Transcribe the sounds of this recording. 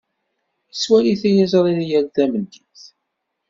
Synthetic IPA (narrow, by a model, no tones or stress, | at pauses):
əswæliθæjizɾˤinjælðæmənd̪iθ